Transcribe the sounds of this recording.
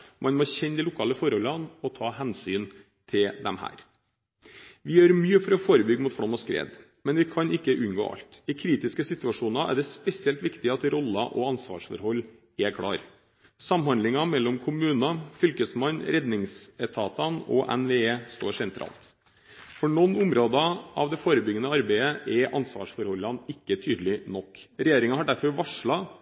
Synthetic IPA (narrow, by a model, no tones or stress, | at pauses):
mʔɑnmɔçɛnd̪ɪlʊkʰɑːləfɔɾhɔlːɑnɔt̪ʰɑːɦɛnsyːn | t̪ʰɪld̪ɛ̰mhæ̰ːɾ | ʋɪjøːɾmyːəfɔɾɔfoːɾəbʏɡːmʊːt̪fɽɔmɔskɾḛːd̪ | mɛnʋɪkʰɑnɪkːəʔʉnɡo̰ːʔɑ̰lt̪ɪkʰɾiːt̪ɪskəsɪt̪ʉɑʂuːnɑʔæ̰ɖɛspɛsɪɛlt̪ʋɪkt̪ɪɑt̪ɾɔlːɑʔɔɑnsʋɑ̰ːʂfɔ̰ɾhɔlː | ɛkʰɽɑ̰ːɾ | sɑmhɑnd̪lɪŋɑmɛlːɔmkʰʊmʉːnɑfʏlkəsmɑnɾɛd̪nɪŋsət̪ʰɑːt̪ɑnɔ̰ʔɛ̰nʋeːeːst̪oːʂɛnt̪ʰɾɑ̰ːlt̪ | fɔɳɔnːʊmɾoːd̪ɑʔɑ̰ʋd̪ɛfoːɾəbʏɡənəɑɾbæɪəʔɛʔɑnsʋɑ̰ːʂfɔɾhɔlːɑnɪkːət̪ʰyːd̪əlɪnɔkːɾɛjeːɾɪŋɑhɑɖæɾfɔɾʋɑʂɭɑ